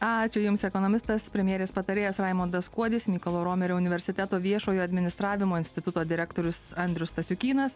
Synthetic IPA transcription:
ɑːt͡ʃʲʊjʊmsɛkoːnomʲɪst̪ɐspʲɾʲɛmʲjeɛɾʲeːspɐt̪ɐɾʲeːjɛsɾɑɪmoːnd̪ɐskuɔd̪ʲɪsmʲiːkolˠoːɾoːmʲɛɾʲoːʊnʲɪʋʲɛɾʲsʲɪt̪ʲɛt̪oːʋʲiɛʃoːjoːɐd̪ʲmʲɪnʲɪst̪ɾɑːʋʲɪmoːɪnʲsʲt̪ʲɪt̪ʊt̪oːd̪ʲɪɾʲækt̪oːɾʲʊsɐnʲd̪ʲɾʲʊst̪ɐsʲʊkʲiːnɐs

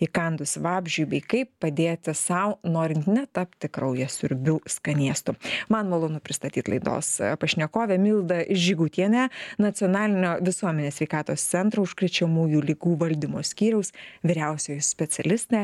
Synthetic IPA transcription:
ɪkɐnd̪ʊsʋɑːbʲʒʲujbʲɛɪkɐɪppɐd̪ʲeːt̪ʲɪsɐʊnoːɾʲɪnt̪nʲɛt̪ɐpʲt̪ʲɪkɾɐʊjɛsʲʊɾʲbʲuːskɐnʲiɛst̪ʊmɐnmɐlˠoːnʊpʲɾʲɪst̪ɐt̪ʲiːt̪lˠɐ̰ɪd̪o̰ːspɐʃʲnʲɛkoːʋʲɛmʲɪːlˠd̪ɐʒʲɪɡʊːt̪ʲiɛnʲæːnɐt̪sʲɪonɑːlʲɪnʲoːʋʲɪsuɔmʲɛnʲeːsʲʋʲɛɪkɑːt̪oːst̪sʲɛnt̪ɾoːʊʃkɾʲɛt͡ʃʲɛmuːjuːlʲɪɡuːʋɐlʲd̪ʲɪmoːsʲkʲiːɾʲɛʊsʋʲɪɾʲɛʊsʲoːjsʲpʲɛt̪sʲɛlʲɪst̪eː

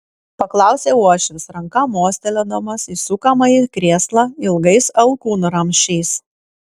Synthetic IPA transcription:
pɐklˠɑˑʊsʲeuɔʃʲɪʋʲsɾɐŋkɐmoːsʲt̪ʲɛlʲod̪omɐsisukɐmɐɪkɾʲeɛːslˠɐɪlˠɡɐɪsɐlˠkuːnʊɾɐmʲʃʲɛɪs

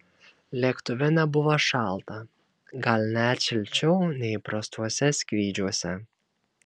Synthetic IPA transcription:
lʲiːkt̪ʊʋʲɛnʲɛbʊʋɐʃɑˑlˠt̪ɐ | ɡɐlʲnʲæːtʲʃʲɪlʲt͡ʃʲɛʊnʲɛɪpɾɐst̪uɔsʲɛsʲkʲʋʲiːd͡ʒʲuɔsʲɛ

